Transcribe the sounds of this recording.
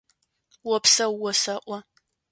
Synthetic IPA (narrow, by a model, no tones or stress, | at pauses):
wɔpsɐwːɔsɐʔʷɔ